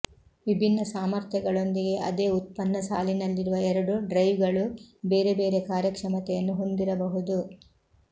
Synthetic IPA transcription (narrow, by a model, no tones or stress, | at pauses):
ʋibʱinːɐsaːmɐɾt̪ʰjɐɡɐɭo̞nd̪iɡe̞ʔɐd̪e̞ːut̪̚pɐnːɐsa̰ːlinɐlːiɾuʋɐɛɾɐɽuɖɾɐjʋɡɐɭubeːɾe̞be̞ːɾe̞kaːɾjɐkʂɐmɐt̪ɛjɐnːuɦo̞nd̪iɾɐbɐɦud̪u